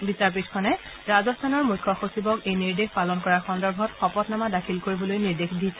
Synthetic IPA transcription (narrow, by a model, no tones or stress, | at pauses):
bisaɹp̬itʰkʰɔnɛ | ɹazɔstʰanɔɹmujkʰːɔxosibɔkejniɹdexʰpalɔnkɔɹaxɔndɔɹbʱɔtxɔpɔtnamadakʰilkoɹibɔlojniɹdexʰdisʰɛ